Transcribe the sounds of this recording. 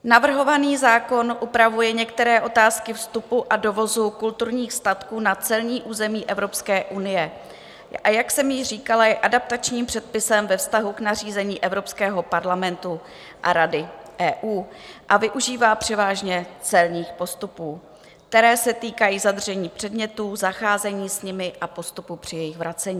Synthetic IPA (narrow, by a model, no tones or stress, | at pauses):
navr̩ɦo̞vaniːzaːko̞nʔupɾavujɛɲɛkt̪ɛɾɛːʔo̞t̪aːskɪfst̪upuʔado̞vo̞zukult̪uɾɲiːxst̪at̪kuːnat͡sɛlɲiːʔuːzɛmiːʔɛvɾo̞pskɛːʔunɪjɛ | ʔajaksɛmjɪr̝iːkalajɛʔadap̚t̪at͡ʃɲiːmpr̥ɛt̪̚pɪsɛmvɛfst̪aɦuknar̝iːzɛɲiːʔɛvɾo̞pskɛːɦo̞paɾlamɛnt̪u | ʔa̰ɾadɪʔɛːʔuːʔavɪʔuʒiːvaːpr̝̥ɛvaːʒɲɛt͡sɛlɲiːxpo̞st̪upuː | kt̪ɛɾɛːsɛt̪iːkajiːzad̪r̩ʒɛɲiːpr̝̥ɛdmɲɛt̪uːzaxaːzɛɲiːsɲɪmɪʔapo̞st̪upupr̝̥ɪjɛjɪxvɾat͡sɛɲiː